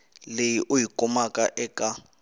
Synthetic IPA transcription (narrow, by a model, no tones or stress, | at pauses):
lejiʔʊjikʼɔmakʼaʔɛkʼa